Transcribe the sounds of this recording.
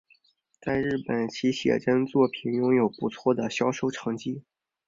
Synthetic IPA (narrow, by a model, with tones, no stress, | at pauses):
t͡sa˥˧ɪɻɻ̩˥˩pə˨˩nt͡ɕʰi˧˥ɕjɛ̰˨˩ʈ͡ʂə˥nt͡swɔ˥˩pʰi˨˩njʊ˥ŋjo˨˩ʊpu˧˥t͡sʰwɔ˥˩d̪ə˩ɕjɑ˥ʊʂo˥ʊʈ͡ʂʰɑ˧˥ŋt͡ɕi˥